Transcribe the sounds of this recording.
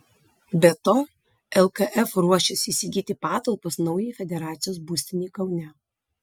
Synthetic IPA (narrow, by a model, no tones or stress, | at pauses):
bʲɛt̪oː | ɛlˠkɐʔɛfɾuɔʃʲɛsiːsʲɪɡʲiːt̪ʲɪpɑːt̪ɐlˠposnɒʊjɛfʲɛd̪ʲɛɾɑːt̪sʲɪjoːsbʊsʲt̪ʲɪnʲiːkɐʊnʲɛ